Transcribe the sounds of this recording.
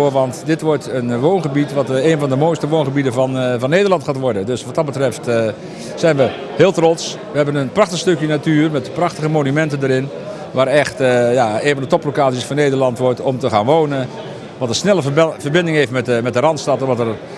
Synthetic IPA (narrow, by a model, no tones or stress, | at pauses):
ʋɑntdɪtʋɔrtʰənʋoːnχəbitʋɑteːnvɑndəmojstəʋoːnχəbidəvɑnvɑnːejdərlˠɑntχaːtʋɔɹdəndøsʋɑt̚ɑtbətrɛft | sɛjnʋə | hɪːlˠtrɔts | ʋəɦɛbənənprɑχtəstøkjənatyːrmɛtprɑxtəχəmonymɛntəndəɾɪn | ʋaːɾɛxtjaeːnvɑndətɔplokaːt͡siəsfɔnːeːdərlɑntʋɔrtɔmtəχaːnʋownən | ʋɑtərsnɛlˠəvərbɪndɪŋɦejftmɛəmɛt̚dəɾɑntstɑtɔʋɑtər